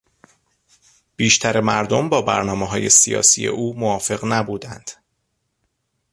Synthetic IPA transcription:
b̥iːʃt̪ʰæɾe̞mæɾd̪ombɒːbæ̰ɾnɒːmeɦɒːje̞sijɒ̰ːsḭːje̞̰ʔuːmoɒːfe̞ɣnæbuːd̪ænd̪̥

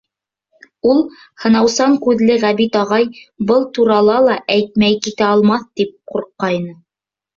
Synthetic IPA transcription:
ulˠ | hɤ̆nɑwsɑŋkʉðlɘʁæβit̪ɑʁɑjbɤlˠt̪uɾɑlˠɑlˠɑʔæjt̪̚mæjkit̪æɑlˠmɑθt̪ip̚quɾqːɑjnɤ

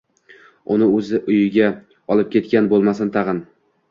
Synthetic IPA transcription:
ʊnɪɵzɪʔʊjɪɡʲa | ɒlˠɪp̚kʲʰe̞t̪kʲanbolˠmasɪnt̪ʰɑʁɨn

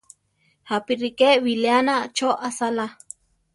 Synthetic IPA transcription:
hapiɾikewileanat͡ʃoʔasala

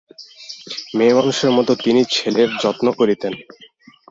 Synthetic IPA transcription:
memanuʃeɾmɔt̪ot̪init͡ɕʰeleɾd͡ʑɔt̪nokoɾit̪en

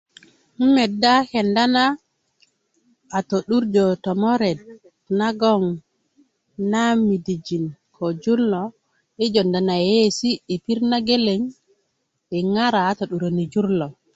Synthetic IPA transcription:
m̩mɛdːakɛndana | toɗuɾd͡ʒɔtɔmɔɾɛd̚ | naɡɔŋ | namidid͡ʒinkʰɔd͡ʒulːɔ | ɛd͡ʒɔndanajesiɛpiɾnaɡeleŋ | ɓɛŋaɾaːtoɗuɾonid͡ʒuɾlɔ

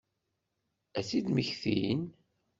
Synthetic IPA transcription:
æsid̪məçθḭn

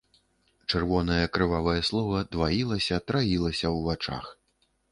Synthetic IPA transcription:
t͡ʂɛrvɔnɐjɐkɾɨvavɐjɐslˠɔvɐd̪vajilˠɐsʲɐt̪ɾajilˠɐsʲɐwvat͡ʂa̰x

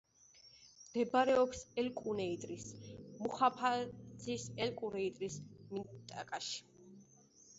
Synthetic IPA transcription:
d̪̥ɛbɾɛɔksɛlkʼunɛit̪ʼɾismuχapʰazisɛlkʼuɾɛit̪ʼɾismint̪ʼa̰kʼaʃi̥

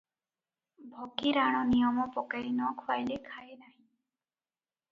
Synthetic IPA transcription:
bʱɔkiɾaɽ̃ɔnijɔmɔpɔkaɾinɔkʰwajlekʰajnaɦĩ

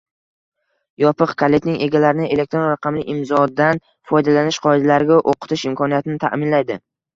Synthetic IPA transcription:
jɒpɨqkʰale̞t̪nɪŋʔe̞ɡʲalaɾɪnɪe̞le̞k̚t̪ɾonɾaqʰɑmlɪʔɪmzɒd̪an | fɒjd̪alanɪʃqʰɒɪd̪alaɾɪɡʲaʔoqʰɨ̥t̪ʰɪʃɪmkʰɒnijat̪ʰɪnɪt̪ʰa̰mɪnlajd̪ɪ

